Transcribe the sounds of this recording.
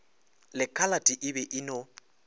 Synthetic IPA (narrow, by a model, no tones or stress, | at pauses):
lɪkʰʼalatʼiʔɪbɛʔɪno